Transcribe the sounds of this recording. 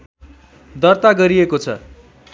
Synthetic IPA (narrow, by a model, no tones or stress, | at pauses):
d̪ʌrt̪aɡʌɾiekot͡sʰʌ̰